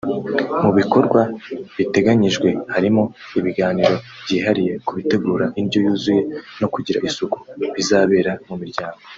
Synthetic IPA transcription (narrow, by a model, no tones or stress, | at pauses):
muβiko̞ɾɡwaβite̞ɡaɲiʒɡwe̞haɾimo̞ | iβiɡaːniɾo̞ | b̥ɟiːɦaɾije̞kuβite̞ɡuːɾaʔinɟojuːzuje̞no̞kuɟiɾa̰ʔisuku̥βizaːβe̞ːɾamumiɾɟaːŋɡo̞